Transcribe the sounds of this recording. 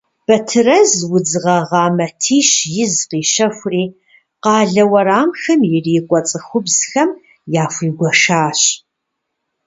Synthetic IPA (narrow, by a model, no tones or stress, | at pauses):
b̥ɐtʰɨrɐzwʊd͡zɨʁɐʁɑːmɐtʰiːʃjɪzqiːʃɐxʷʊriː | qɑːɮɐwɐɾaːmxɐmjɪriːkʷʼɔt͡sʼɨxʷʊbz̥xɐm | jaːfʷiːɡʷɔʃaːɕ